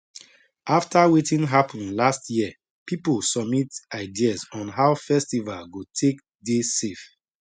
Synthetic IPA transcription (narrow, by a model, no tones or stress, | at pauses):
ʔaftawetĩnɦapʰɔ̃nlastjiə | pipolsɔb̚mitaɪdiasɔ̃nɦaʊfɛstivalɡotʰek̚ | desef